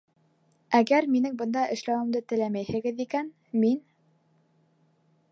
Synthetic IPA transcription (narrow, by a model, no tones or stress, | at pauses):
æɡæɾminɘŋbɤ̆nd̪ɑʔɘ̆ʃlæwɘ̆md̪ɘt̪ɘ̆læmæjhɘ̆ɡɘðikæn | min